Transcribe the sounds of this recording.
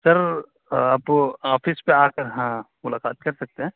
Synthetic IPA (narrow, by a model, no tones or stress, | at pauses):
sɐɾ | apoaːfʰispeaːkəɾɦã | mʊlaːkaːt̪kɐɾsɐk̚t̪eɦɛ̃ː